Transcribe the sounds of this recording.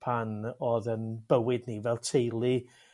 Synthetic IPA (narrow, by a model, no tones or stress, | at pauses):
pʰanoːðənb̥əwɪdnivɛlˠtʰejlˠi